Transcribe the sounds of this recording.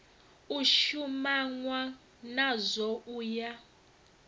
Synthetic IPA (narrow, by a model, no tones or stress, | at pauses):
uʃumaŋwa | nazɔuːja